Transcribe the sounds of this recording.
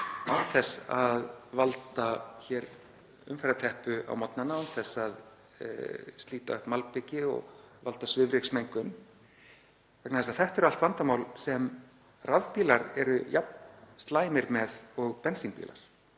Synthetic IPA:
avθɛsaðvalt̪açɛɾ | ʏ̰mfɛɾat̪ʰɛhpʏa̰wmɔt̪nanaʏnθɛsːað̰ | st̪liːt̪aœhpmalpɪcɪɔ̰ɣva̰lt̪asvʏvɾɪksmejŋkʏn | vɛknaðɛs̬aθɛht̪ɛɾʏalt̪vant̪amaːwlsɛm | raðpiːlaɾɛɾʏjap̚nst̪laːjmɪɾmɛðɔɣpɛnsiŋpḭla̰ɾ̥

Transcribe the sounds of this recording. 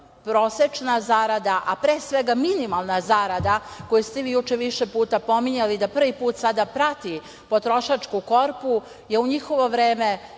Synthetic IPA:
pɾo̞ːset͡ʃnazaɾad̪aʔapɾeːsʋeɡaminimalˠnazaɾad̪ako̞just̪eʋiːjut͡ʃeʋiʃepuːt̪apo̞miɲalid̪apr̩ʋipuːt̪sad̪apɾat̪i | po̞t̪ɾo̞ʃat͡ʃkuko̞ɾpu | jeuɲixo̞ʋo̞ʋɾeːme

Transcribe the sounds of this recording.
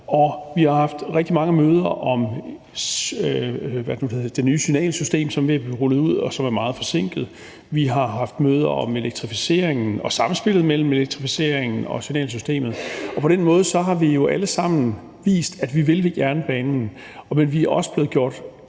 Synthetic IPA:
ɒ̽ʋihɑ̈hɑ̈fd̥ʁɛɡ̥̚d̥imɑ̈ŋəmøːð̞ˠɐʔɒ̽m | ʋæd̥nudehˠd̥enyːsynɛ̰ːlsysd̥e̝̰ːmsɒ̽mʋe̝æbʁulð̩ˠuð̞̰ˠɒsɒ̽mæɐmɑ̈ːð̞̩ˠfɒ̽se̝ŋ̰ɡ̥ð̩ˠ | ʋiɦɑ̈ɦɑ̈fd̥møːð̞ˠɐɒ̽me̝leɡ̥̚t͡sʰʁifise̝̰ɐ̰eŋn̩ɒ̽sɑ̈mn̩sb̥e̝l̥ð̩ˠmel̰m̩e̝leɡ̥̚t͡sʰʁifise̝ɐ̰eŋn̩ɒ̽synɛ̰ːls̬ysd̥e̝̰ːmð̞̩ˠɒ̽pʰɒ̽d̥enmɔ̽ːð̞̩ˠəsɒ̽ɦɑ̈ʋijo̝ʔæləsɑ̈m̰n̩ | ʋḭːsd̥æd̥ʋiʋe̝lʋe̝ɡ̥æɐnəb̥ɛːnn̩ | menʋiæɐɒ̽sə̥b̥le̝ːð̩ˠɡ̥jo̝ɐ̰d̥

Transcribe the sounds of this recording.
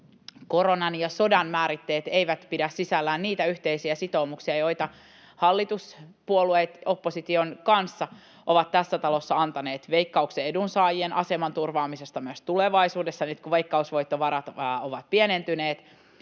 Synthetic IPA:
ko̞ɾo̞nɑnjɑso̞dɑnmæːɾit̪ːe̞ːt̪e̞jʋæt̪pidæssisælːæːnniːt̪æyht̪eisiæsit̪o̞umuksiɑjo̞it̪ɑ | hɑlːit̪uspuolueːt̪o̞pːo̞sit̪io̞nkɑnsːɑ | ʔo̞ʋɑt̪t̪ːæsːæt̪ɑlo̞sːɑɑnt̪ɑneːt̪ʋe̞ikːɑukseedunsɑːjienʔɑse̞mɑnt̪urʋɑːmise̞st̪ɑmyøst̪ule̞ʋɑisuːdesːɑnyt̪kuʋejkːɑusʋo̞it̪ːo̞ʋɑɾɑt̪ːoʋɑt̪̚pienent̪yneːt̪

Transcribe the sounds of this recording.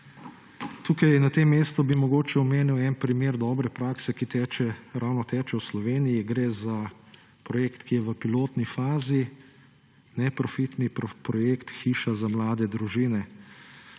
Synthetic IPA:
t̪uːkajnat̪emːeːst̪ɔbimɔɡoːt͡ʃɛɔmeːniwɛnpɾimeːɾd̪ɔːbɾɛpɾaːksɛkit̪ɛt͡ʃɛɾawnɔt̪ɛːt͡ʃɛwslɔʋeːnijiɡɾeːza | pɾɔjeːkt̪kʰijɛʋəpiloːt̪nifaːzi | nɛpɾɔfit̪nippɾɔjeːkt̪xiːʃazamlaːd̪ɛd̪ɾuʒiːnɛ

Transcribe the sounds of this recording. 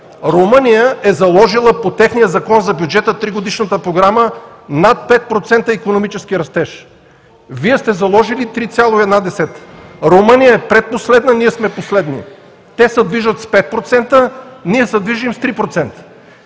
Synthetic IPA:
ɾomənijəɛzɐlˠɔʒilˠəpot̪ɛxnijəzɐkɔnzɐbʲjud͡ʒɛt̪ət̪ɾiɡod̪iʃnət̪əpɾoɡɾamə | nat̪̚pɛt̪̚pɾot̪sɛnt̪əikonomit͡ʃɛskiɾɐst̪ɛʃ | viɛst̪ɛzɐlˠɔʒilit̪ɾit̪sʲjalˠoiɛd̪nad̪ɛsɛt̪ɾomənijəɛpɾɛt̪̚poslɛd̪nəniɛsmɛposlɛd̪nḭ | t̪ɛsəd̪viʒət̪spɛt̪̚pɾot̪sɛnt̪əniɛsəd̪viʒimst̪ɾipɾot̪sɛnt̪ə̥

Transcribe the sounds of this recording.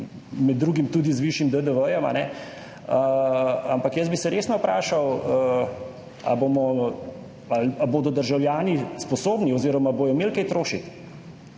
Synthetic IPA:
mɛd̪ːɾuːɡimt̪uːd̪izʋiʃjimd̪əd̪əʋəjɔma̰nɛ | əampakjəsbisɛɾeːsnɔpɾaːʃawə | a̰boːmɔ | alaboːd̪ɔd̪əɾʒawljaːnispɔsoːbniɔziːɾɔmaboːjɔmeːlkɛjt̪ɾoːʃit̪

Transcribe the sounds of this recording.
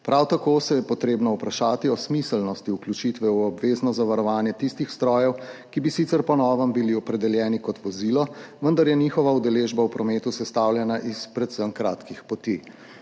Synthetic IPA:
pɾʔawt̪akosɛjɛpɔt̪ɾeːbnɔupɾaʃaːt̪iɔsmislnɔst̪iuklʲjut͡ʃit̪ʋɛuɔbʋeːznɔzaʋaɾɔʋaːnjɛt̪ist̪ixst̪ɾɔːjɛwkibisit̪sɛɾpɔnɔːʋəmbiliɔpɾɛd̪ɛljɛːnikɔt̪ʋɔziːlɔʋənd̪aɾjɛniːxɔʋaud̪ɛleʒbawpɾɔmeːt̪usɛst̪awljɛnaʔispɾɛt̪səmkɾa̰ːt̪kixpɔt̪i

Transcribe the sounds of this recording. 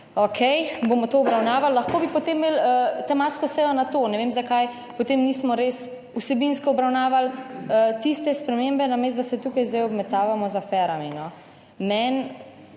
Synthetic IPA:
okʰɛjbomɔt̪oːɔbɾawnaːʋalːaxkoːbipɔt̪emːelət̪ɛmat̪skɔsɛjɔnat̪onɛʋemzakaj | pɔt̪emniːsmɔɾes | usɛbinskɔɔbɾawnaːʋalət̪ist̪ɛspɾɛmembɛnames̬t̪̚d̪asɛt̪ukajzd̪ajɔbmɛt̪aːʋamɔzafɛɾaminɔ | mɛn

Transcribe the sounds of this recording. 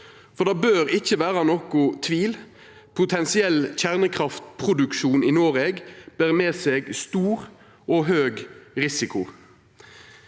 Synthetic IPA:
fɔʁd̪ɑːbøːʁɪçːəʋæːʁɑnɔkʊt̪ʰʋiːl | pʰʊt̪ʰɛnsɪɛlçæʁnəkʰʁɑft̪pʰʁʊd̪ʉkʃuːniːnoːʁeːɡb̥æːʁmeːseːɡst̪uːʁ | oːɦøːɡʁɪsɪkʊ

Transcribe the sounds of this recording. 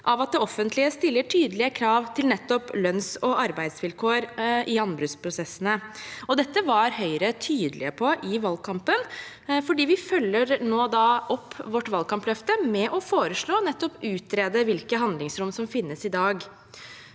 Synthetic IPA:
ʔɑʋɑt̪̚d̪ɛɔfːənt̪ʰlɪəst̪ɪlːəʈʰyːd̪əlɪəkʰɾɑːʋt̪ʰɪlnɛt̪ːɔplœnsɔʔɑɾbæɪd̪sʋɪlkʰoːɾʔɪɑnbɾʉspʰɾʊsɛsːənəɔd̪ɛt̪ːəʋɑɾhœʏɾət̪ʰyːd̪əlɪ̰əpʰɔʔɪʋɑlɡ̚kʰɑmpən | fɔɖiːʋɪfœlːəɾnoːd̪ɑʔɔpʰːʋɔʈːʋɑlkʰɑmplœft̪əmɛʔɔfoːɾəʂɭoːnɛt̪ːɔpʉːt̪ɾeːd̪əʋɪlkəɦɑnd̪lɪŋsɾʊmsɔmfɪnːəsɪd̪ɑːɡ

